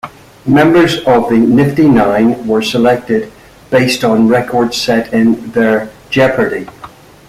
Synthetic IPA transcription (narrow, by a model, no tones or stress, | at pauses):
mɛ̃mbə˞zʌvðɨnɪftinãɪ̃nwə˞səlɛk̚tɪd̚ | b̥eɪstn̩ɹɛkʰɔɹd̥sɛɾɪ̃nðə˞ | d͡ʒɛpʰə˞ɾi